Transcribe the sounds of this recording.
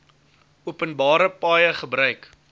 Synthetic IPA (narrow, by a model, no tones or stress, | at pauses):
uəpənbɑːɾəpɑːjəχəbɾœɥk